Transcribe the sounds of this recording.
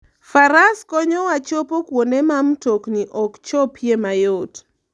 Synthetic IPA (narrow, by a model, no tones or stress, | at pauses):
faɾaskɔɲɔwat͡ʃopokwonemamtokniʔɔkt͡ʃɔpʰjemajot